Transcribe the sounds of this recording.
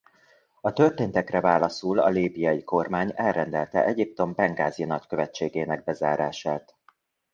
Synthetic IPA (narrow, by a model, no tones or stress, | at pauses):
ɒt̪ø̞rt̪eːnt̪ɛkrɛvaːlɒsulɒ̰liːbijɒjiko̞rmaːɲɛlrɛnd̪ɛlt̪ɛ̰ʔɛɟip̚t̪o̞mbɛŋɡaːzijnɒckø̞vɛt͡ʃːeːɡeːnɛɡ̚bɛzaːɾaːʃaːt̪